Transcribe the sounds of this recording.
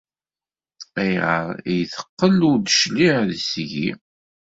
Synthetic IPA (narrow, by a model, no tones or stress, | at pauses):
æjʁə̰ɾjθə̥qːəlʊɾd̪əʃliʕðsʝḭ